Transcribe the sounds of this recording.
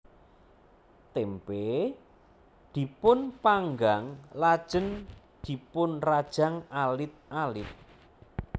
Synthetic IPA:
t̪empe | d̪̥i̤pʊnpaŋɡaŋlad̥ʒ̥ən | d̪̥i̤pʊnrad̥ʒ̥a̤ŋalɪt̪̚ʔalɪt̪̚

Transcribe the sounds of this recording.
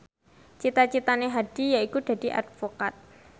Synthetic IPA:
t͡ʃit̪at͡ʃit̪aneɦad̥i̤jaikud̪̥ä̤d̥̪i̤ʔa̰d̪̥fokat̪̚

